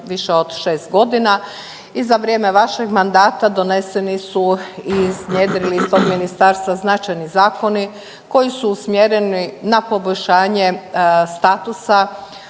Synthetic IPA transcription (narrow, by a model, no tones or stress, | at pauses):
ʋiʃeo̞d̪ʃeːst̪̚ɡo̞d̪ina | izaʋɾjeme̞ʋaʃeɡmand̪aːt̪ad̪o̞nesenisuizɲeːd̪ɾilist̪oɡminist̪aːɾst̪ʋaznat͡ʃajnizaːko̞ni | ko̞jisuusmjeɾeninapo̞boʎʲʃaːɲe̞st̪aːt̪usa